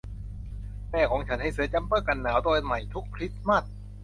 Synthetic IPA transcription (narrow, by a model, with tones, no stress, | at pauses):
mɛː˥˩kʰɔː˩˦ŋt͡ɕʰa˦˥nha˥˩jsɯ˨˦t͡ɕa˧˥mpɤː˥˩ka˧˩nːaː˩˦wd̪oː˧jma˨˩jt̪ʰu˦˥k̚pʰɾi˦˥t̪̚ma˥˩t̪̚